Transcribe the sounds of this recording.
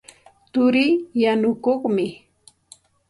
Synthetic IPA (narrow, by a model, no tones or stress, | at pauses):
t̪ʊɾɪjjanʊkoχmɪ